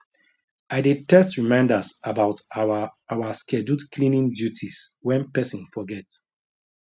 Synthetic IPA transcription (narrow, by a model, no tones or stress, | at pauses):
aɪditɛstɹimãɪ̃ndasabaʊt | awaskʰɛd͡ʒutkʰlĩnĩŋdjutʰiswɛ̃npɛsɔ̃nfɔɡɛts